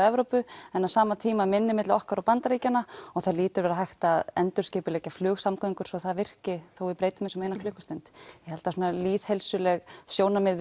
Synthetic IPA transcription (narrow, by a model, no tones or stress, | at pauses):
ɛvɾowpʏɛnːasaːmat̪ʰiːmamɪnːɪmɪt̪lɪɔhkaɾɔpant̪aɾiːcanːaɔɣθaðliːt̪ʏɾvɛɾaɦajht̪aːðɛnt̪ʏ̥scɪːpʏlɛːcaflʏːɣsamkœiŋkʏɾ̥sɔθaðvɪr̥cɪθowvɪðpɾeːjt̪ʏmːɪsɛmeːjnaflʏːhkʏst̪œnt̪jɛhɛlt̪asunaliːðhelsʏlɛɣsjoːwnamɪð